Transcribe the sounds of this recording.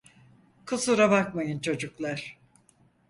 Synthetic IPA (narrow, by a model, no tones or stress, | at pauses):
kʰɯsuɾabak̚majɯnt͡ʃʰo̞d͡ʒuklˠaɾ̥